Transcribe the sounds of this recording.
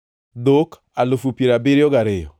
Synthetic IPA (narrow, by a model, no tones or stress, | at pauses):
d̪ok | alofupjeɾabeɾɪɔɡaɾɪjɔ̰